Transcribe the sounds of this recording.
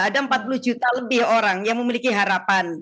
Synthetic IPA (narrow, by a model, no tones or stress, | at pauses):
adaəmpat̪̚pulud͡ʒut̪aləbɪhoɾaŋjaŋməmilikiɦaɾapan